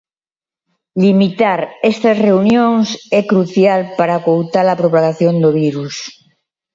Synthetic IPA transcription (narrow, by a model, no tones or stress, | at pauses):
ʎimit̪aɾest̪asreunjõŋsɛkɾuθjalpaɾakowt̪aɾapɾopaɣaθjond̪oβ̞iɾus